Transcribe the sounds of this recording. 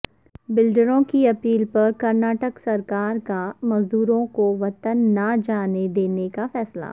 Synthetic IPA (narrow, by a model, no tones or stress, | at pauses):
bɪlɖəɾõkiɐpiːlpɐɾkɐɾnaːʈəksɐɾkaːɾkamɐzd̪uːɾõkoʋɐt̪ənːad͡ʒaːned̪eːnekafɛːsla̰ː